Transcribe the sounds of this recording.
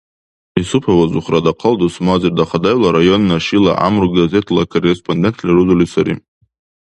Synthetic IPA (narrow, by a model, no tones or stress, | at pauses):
isupʰawazuχradaqʰaldusmazirdaχadajlaɾajo̞nːaʃila̰ʔa̰mruɡɡaze̞tʰlakʰorespʰondʲentʰlʲaɾuzolisaɾḭ